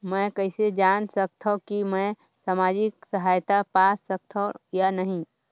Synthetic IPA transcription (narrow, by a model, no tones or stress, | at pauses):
mɛ̃ːkɛɦɪsed͡ʒaːnsək̚t̪ʰõkimɛ̃ | samaːd͡ʒɪksəɦaːjt̪apaːssək̚t̪ʰõjanɐɦĩ